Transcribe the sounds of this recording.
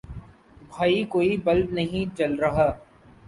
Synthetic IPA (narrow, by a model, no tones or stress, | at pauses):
bʱaːikoːibɐlbnɐɦĩt͡ʃɐlɾɐɦaː